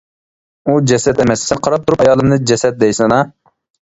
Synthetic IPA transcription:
ud͡ʒɛsɛt̪emɛssɛnqʰɑɾɑp̚t̪ʰuɾupɑjɑːlˠɨmnɨd͡ʒɛsɛt̪̚d̪ɛjsɨnɑ

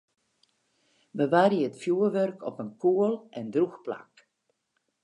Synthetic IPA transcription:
bəʋarjiəətfjuərʋørkʰɔpənkʰuəlˠʔɛndruxpla̰k

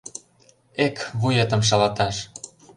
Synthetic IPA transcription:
ekβujet̪ə̆mʃ̬ɑlɑt̪ɑʃ

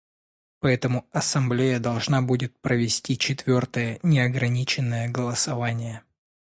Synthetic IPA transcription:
pɐɛt̪əmʊɐsɐmblʲejəd̪ɐlˠʐnabudʲɪt̪̚pɾəvʲɪsʲtʲit͡ɕɪt̪vʲo̞rt̪əjənʲɪɐɡɾɐnʲit͡ɕɪnːəjəɡəlˠəsɐvanʲɪjə

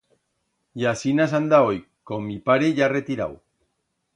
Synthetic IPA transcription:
jasinasand̪aojkomipaɾeʝaret̪iɾa̰w

